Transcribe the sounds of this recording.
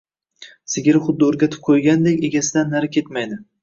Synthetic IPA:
sɪɡʲɪɾɪχʊd̪ːɪoɾɡʲat̪ʰɪ̥p̚qʰojɡʲand̪ekʲe̞ɡʲasɪd̪anːaɾkʲʰe̞t̪majd̪ɪ

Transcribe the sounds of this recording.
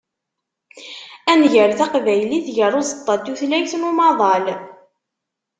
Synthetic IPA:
ænʝəɾθæqvæjliθʝəɾˤʊsə̥t̪ˤːɑd̪uθlæjθnumɑðˤɑl

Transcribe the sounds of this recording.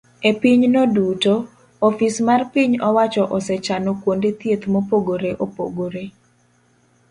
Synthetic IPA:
epiɲnoduto | ɔfismarpiɲɔwat͡ʃɔʔɔsɛt͡ʃanokwondet̪jet̪mopoɡoɾeʔopo̰ɡoɾe

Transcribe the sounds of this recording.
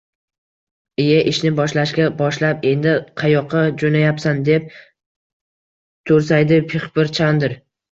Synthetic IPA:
ɪjaʔɪʃnɪbɒʃlaʃkʲabɒʃlape̞nd̪ɪqʰɑjɒqʰːɑd͡ʒonajapsand̪e̞p̚ | t̪ʰoɾs̬ajd̪ɪpʰɪχbɪɾt͡ʃʰand̪ɪɾ

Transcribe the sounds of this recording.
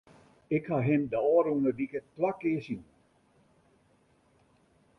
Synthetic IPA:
ɪkhaɦɪmdəɔːɾunədikəplakɪəsin

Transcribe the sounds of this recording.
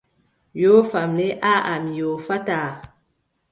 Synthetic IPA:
jofamleʔaʔamijofata

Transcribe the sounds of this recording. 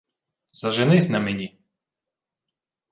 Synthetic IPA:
zɐʒenɪsʲnɐmenʲi

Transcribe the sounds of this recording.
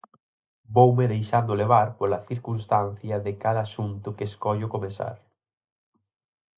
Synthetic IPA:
bowmɪðejʃand̪ʊleβ̞aɾpoɾlɐθiɾkunst̪an̟θjɐðɪkaðɐːsunt̪ʊkeskɔʎʊkomesa̰ɾ

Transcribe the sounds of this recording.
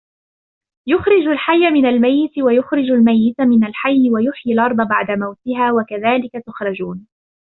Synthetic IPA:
jʊxɾɪd͡ʒalħajːamɪnalmajːɪt̪wajʊxɾɪd͡ʒalmajːɪt̪mɪnalħajːwajʊħjalʔɑɾˤd̪ˤɑbaʕd̪amawt̪ɪɦaːwakaðaːlɪkat̪ʊxɾˤɑd͡ʒuːn

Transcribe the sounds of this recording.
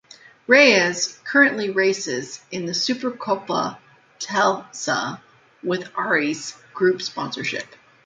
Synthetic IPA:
ɹeɪɨz̥kʰɜ˞ɨ̃nʔliɹeɪsɪzɨ̃nðɨsʉpə˞kʰoʊpə̰ | tʰɛlˠsə̰ | wɪðʔɑɹizɡ̥ɹʉpspɑ̃nsə˞ʃɪ̰p

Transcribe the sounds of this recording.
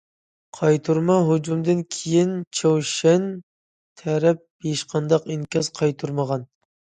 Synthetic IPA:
qʰɑjt̪ʰuɾmɑɦud͡ʒumd̪ɨnkʲʰejint͡ʃʰowʃɛn | t̪ʰɛɾɛp̚eʃqʰɑnd̪ɑqinkʲɑz̥qʰɑjt̪ʰuɾməʁɑn

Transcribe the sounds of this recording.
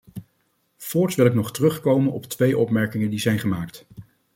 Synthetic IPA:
fɔːɹtʋɪlˠɪknɔχtərɵχkowmənɔ̰ptʋejʔɔpmɛɹkɪŋəndizɛjnχəmaːkt

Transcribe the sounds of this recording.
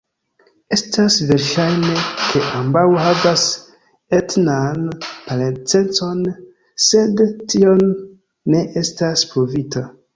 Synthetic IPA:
e̞stasve̞ɾʃajne̞kʰe̞ʔambawhavas | etnanpalent͡se̞nt͡so̞n | se̞dtio̞nː | e̞ʔe̞staspɾovita

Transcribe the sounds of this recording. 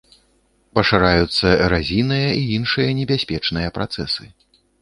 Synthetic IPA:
pɐʂɨɾajut̪sːɐɾazʲinɨjɐiinʂɨjɐnʲɛbʲasʲpʲɛt͡ʂnɨjɐpɾat̪sɛsɨ

